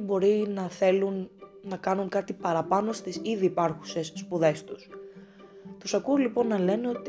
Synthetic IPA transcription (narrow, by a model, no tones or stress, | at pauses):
bo̞ɾinɐθe̞lunːɐkɐnuŋkɐt̪ipɐɾɐpɐno̞st̪isiðiːpɐɾxuse̞sːpuðe̞st̪us | t̪usɐkuolipo̞nːɐle̞neo̞t̪i